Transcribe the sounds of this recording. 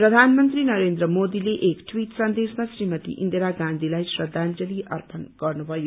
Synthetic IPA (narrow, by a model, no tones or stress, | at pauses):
prʌd̪ʱanmʌnt̪rinʌɾend̪ɾʌmod̪ileʔekʈʰwiʈsʌnd̪esmasrimʌt̪ḭʔḭnd̪eɾaɡãnd̪ʱilajsrʌd̪ʱːand͡zʌliʔʌrpʌnɡ̥ʌrnubʱʌjo